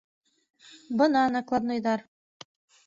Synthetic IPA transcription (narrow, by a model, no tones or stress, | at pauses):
bɤnɑnɑklˠɑd̪nŏjðɑɾ